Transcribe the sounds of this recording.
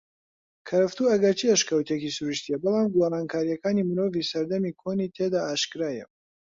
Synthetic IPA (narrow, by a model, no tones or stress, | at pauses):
kʰɐɾɐft̪uːɐɡɐɾt͡ʃʰiɛʃkɐwt̪ʰjekisuɾuʃt̪ʰijɛbɨlˠaːmɡwaraːnkʰaːɾijɐkaːnimɨɾo̞ːviːsɐɾd̪ɐmiːkʰoniːt̪ʰed̪aːʔaːʃkɨɾaːjɛ̰